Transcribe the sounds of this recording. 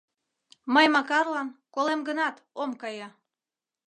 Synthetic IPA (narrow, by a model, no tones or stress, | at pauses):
məjmɑkɑrlɑnkolemɡənɑt̪ | omkɑjɑ